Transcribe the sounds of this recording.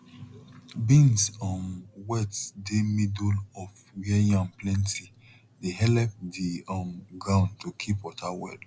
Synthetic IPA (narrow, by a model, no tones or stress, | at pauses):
bĩnsɔ̃nwɛtdemidulɔf | wɛjãnplɛ̃ntʰi | deɦɛlɛp̚diɔ̃nɡɹãʊ̃ntokʰipɔtʰawɛ̰d